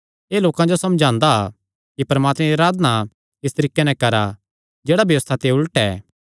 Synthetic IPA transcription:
eːloːkãd͡ʒosɐmd͡ʒãːnd̪a | kipɐɾɐmaːt̪mɛɾiɾaːd̪na | ɪst̪əɾiːkːenɛ̃kɐɾa | d͡ʒeːɽabjɐʋəst̪ʰat̪eʊləʈɛ̰ː

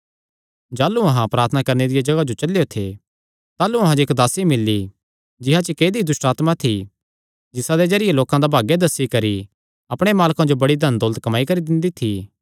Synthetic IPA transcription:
d͡ʒaːlːuɐɦãpɾaːɾt̪ʰənakɐɾned̪ɪjad͡ʒɐɡad͡ʒot͡ʃɐlejot̪ʰḛ | t̪aːluɐɦãd͡ʒoɪkd̪aːsimɪlːi | d͡ʒɪɦat͡ʃikeːd̪id̪ʊsʈaːt̪mat̪ʰi | d͡ʒɪsãd̪ed͡ʒɐɾɪjeloːkãd̪abʱaːɡjed̪ɐsːikɐɾi | ɐpɽ̃emaːlkãd͡ʒobɐɽid̪ʱɐnd̪ɔːlt̪kɐmaːikɐɾid̪ɪ̃nd̪it̪ʰi

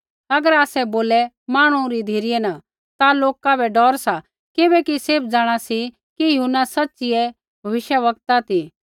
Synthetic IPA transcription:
ɐɡəɾaːsɛboːlɛ | maːɽ̃ũɾid̪ʱiːɾɪjɛna | t̪aloːkabʱɛɖɔːɾsa | kɪbɛkiseːb̚d͡zaːɽ̃asi | kijɐɦunasɐtːsɪjɛ | bʱɐʋɪʃjəʋɐk̚t̪at̪i

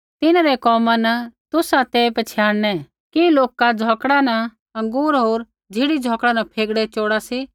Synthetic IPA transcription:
t̪ɪnɾɛkɔːmanɐt̪ʊsat̪eːpɐt͡ʃʰjaːɽnɛ | kiloːkad͡zʱɔːkɽanɐ | ɐ̃ŋɡuːɾɦoːɾ | d͡zʱɪɽid͡zʱɔːkɽanɐpʰeːɡɽɛt͡ʃoːɽasi

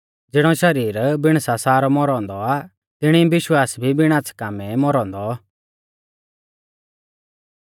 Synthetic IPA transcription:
d͡zɪɽ̃ɔʃɐɾiːɾbɪɽ̃sasaːɾɔmɔɾɔ̃ːnd̪ɔa | t̪ɪɽ̃ibɪʃwaːsbʱibɪɽ̃aːt͡skaːmɛmɔɾɔ̃ːnd̪ɔ

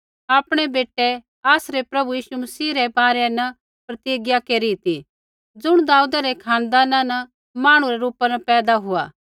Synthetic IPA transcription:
aːpɽ̃ebeːʈɛ | aːsɾepɾɐbujiːsumɐsiːɾɛbaːɾenɐ | pɾɐt̪iːɡjakeːɾit̪i | d͡zʊɽ̃d̪aːuːd̪aɾekʰãːnd̪aːnanɐ | maːɽ̃ũɾeɾuːpanɐpɛːd̪aɦʊa̰ː

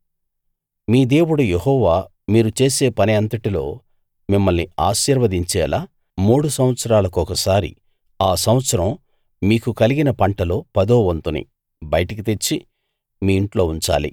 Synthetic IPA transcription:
miːd̪e̞ːwuɽujehɔːʋaː | miːɾut͡ʃe̞ːse̞ːpɐniɐnt̪ɐʈilo̞̰ː | mimːɐlniaːʃiːɾʋɐd̪iɲt͡ʃɛ̰ːlaː | muːɽusɐm̃ʋɐt̪sɐɾaːlɐkuɔkɐsaːɾḭ | aːsɐmʋɐt̪sɐɾɐm | miːkukɐliɡinɐpɐɳʈɐlo̞ːpɐd̪oːʋɐnt̪unḭ | bɐjɐʈɐkit̪e̞t͡ʃːi | miːiɳʈlo̞ːuɲt͡ʃa̰ːlḭ

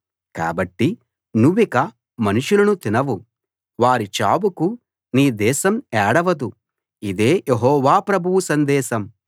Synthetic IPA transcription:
ka̰ːbɐʈːi | nuʋːikɐ | mɐnuʂulɐnut̪inɐʋu | ʋaːɾit͡ʃa̰ːbuku | niːd̪ɛːʃɐmɛːɽɐʋɐd̪u | id̪e̞ːjʔeɦɔːʋaːpɾɐbʱuʋusɐnd̪ɛːʃɐm

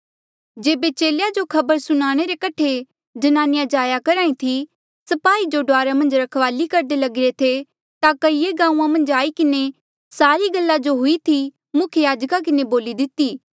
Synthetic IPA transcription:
d͡ʒeːbet͡ʃeːljad͡ʒokʰɐbəɾsʊɽ̃aːɽ̃eɾekɐʈʰe | d͡ʒɐnaːnɪjad͡ʒaːjakɐɾaːĩt̪ʰi | sɐpaːid͡ʒoɖoaːɾamɐ̃nd͡ʒɾɐkʰʋaːlikɐɾd̪elɐɡɪɾet̪ʰe | t̪akɐieɡãːũːãmɐ̃nd͡ʒaːikɪne | saːɾiɡɐlːad͡ʒoɦʊit̪ʰi | mʊkʰjəjaːd͡ʒkak̬ɪneboːlid̪ɪt̪iː

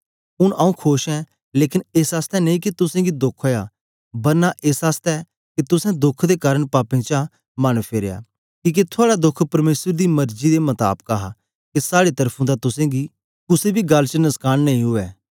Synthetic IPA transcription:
ʊnaːũkʰoːʃɛ̃ | leːkɪneːsaːst̪ɛnɐĩkit̪ʊsẽːɡid̪ʊkʰoːja | bɐɾnaʔeːsaːst̪ɛ | ket̪ʊsɛ̃d̪ʊkʰd̪ekaːɾəɳpaːpẽt͡ʃa | mañpʰeːɾeja̰ː | kĩːk̬et̪ʰʊaːɽad̪ʊkʰpɐɾmeːsəɾd̪imɐɾd͡ʒid̪emɐt̪a̰ːpəkaːɦa | kesaːɽet̪ɐɾpʰũd̪at̪ʊsẽɡi | kʊsebʱiɡɐlːt͡ʃənɐskaːɽ̃nɐĩɦʊɛː

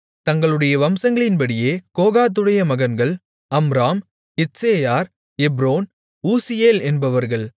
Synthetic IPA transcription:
t̪ɐŋɡɐɭɯɽɐjɐʋɐmsɐŋɡɐɭɪnbɐɽɪjeːkoːɣaːt̪̬ːɯɽɐjɐmɐɣɐnɡɐɭ | ɐmɾaːm | ɪseːjaːɾ | ɛbɾoːn | uːsɪjeːlɛnbɐʋɐɾɣɐɭ

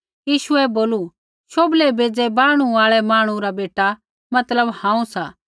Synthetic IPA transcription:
jiːʃʊɛboːlu | ʃoːblebeːd͡zɛbaːɽ̃uaːɭɛmaːɽ̃ũɾabeːʈa | mɐt̪ləbhãːũsaː

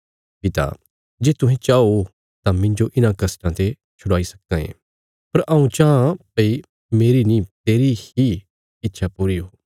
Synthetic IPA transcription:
pɪt̪a̰ | d͡ʒeːt̪ʊɦẽt͡ʃaːo | t̪ãmɪ̃ɲd͡ʒoʔɪnãkɐsʈãt̪e | t͡ʃʰʊɽaːisɐ̥k̚d̪ãḛ̃ː | pɐɾʔɐũt͡ʃaːãpɐi | meːɾinĩt̪eːɾihi | ɪtːʃʰapuːɾiɦooː

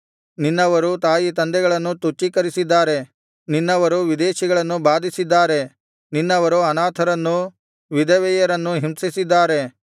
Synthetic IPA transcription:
ninːɐʋɐɾut̪aːjit̪ɐnd̪ɛɡɐɭɐnːut̪ut͡ʃːikɐɾisid̪ːaːɾe̞ | ninːɐʋɐɾuʋid̪eːʃiɡɐɭɐnːubaːd̪ʱisid̪ːaːɾe̞ | ninːɐʋɐɾuɐnaːt̪ʰɐɾɐnːu | ʋid̪ɐʋɛjɐɾɐnːuɦimsisid̪ːaːɾe̞

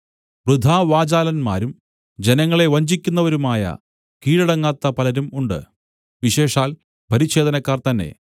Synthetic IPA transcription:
prud̪ʱaːʋaːd͡ʑaːlɐnma̰ːɾum | d͡ʑe̞nɐŋːɐɭe̞ʋɐɲd͡ʑikʲːunːɐʋɐɾumaːjɐ̰ | kiːɻɐɽɐŋːaːt̪ːɐpɐlɐɾumuɳɖɨ̰ | ʋiɕe̞ːʂaːl | pɐɾiɕe̞ːd̪ɐnɐkːaːrt̪ɐnːe̞̰

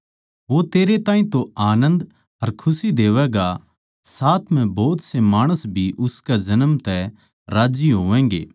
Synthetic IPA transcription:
ʋot̪eːɾet̪ãːĩt̪oaːnə̃nd̪ | ɦɐɾkʰʊsid̪eːʋɛɡa | saːt̪ʰm̤ɛ̃boːt̪semaːɽ̃əsbʱiʔʊskad͡ʒɐnəmt̪ɛ | ɾaːd͡ʒiɦoːʋɛ̃ːŋɡḛː

